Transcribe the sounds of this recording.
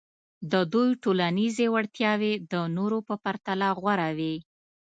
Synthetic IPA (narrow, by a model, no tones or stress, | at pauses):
d̪əd̪ujʈolanizewaɽt̪jɑwed̪ənoɾopəpaɾt̪alaɣwaɾawi